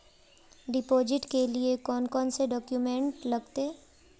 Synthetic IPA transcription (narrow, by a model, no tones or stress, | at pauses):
ɖɪpoːd͡ʒɪʈkeliekɔːnkɔːnseɖɔːkjumẽɳʈlɐɡt̪e